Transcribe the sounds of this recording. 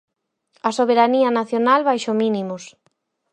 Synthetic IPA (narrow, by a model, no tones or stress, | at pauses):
ɐsoβ̞eɾaniɐnaθjonalβajʃominimʊs